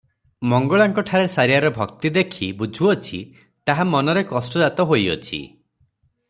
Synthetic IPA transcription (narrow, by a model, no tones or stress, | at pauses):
mɔŋɡɔɭaŋkɔʈʰaɾesaɾiaɾɔbʱɔkt̪id̪ekʰibud͡ʒʱuɔt͡ʃʰi | t̪aɦamɔnɔɾekɔsʈɔd͡ʒat̪ɔɦojɔ̰t͡ʃʰḭ